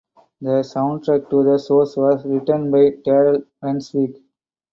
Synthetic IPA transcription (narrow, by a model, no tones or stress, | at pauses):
d̪əsãʊ̃ɳɖʈɾɛk̚ʈud̪əsoːsʋɔːzɾɪʈə̃nɖbaɪʈeːɾəlʋɛ̃nsʋiːk